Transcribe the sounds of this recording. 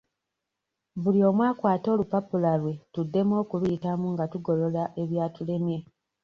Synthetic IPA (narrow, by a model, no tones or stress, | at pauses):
βulio̞ːmwaːkwaːto̞ːlupopulalwe̞tudːe̞mwo̞ːkulujitamuŋɡatuɡo̞lo̞laʔe̞βjaːtule̞mje̞